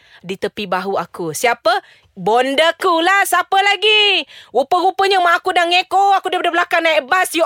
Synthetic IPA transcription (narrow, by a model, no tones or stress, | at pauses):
dit̪əpibaɦuakusiapə | bondəkulahsapəlaɡiɣupəɣupəɲəmaːkudaŋekoakudapadabəlakaŋnajbasju